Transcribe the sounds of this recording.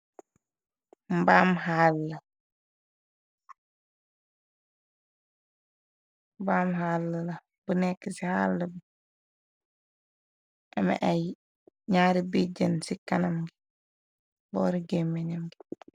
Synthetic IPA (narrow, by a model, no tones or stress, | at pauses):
mbaːmhaːlːɐ | mbaːmhalːɐlɐ | b̥unɛkːesiha̰ːlːɐbi | ʔɐmɐ̰ʔaj | ɲaːɾibid͡ʒɐnsikɐnɐmɡi | bɔːɾiɡemːɛɲɐmɡi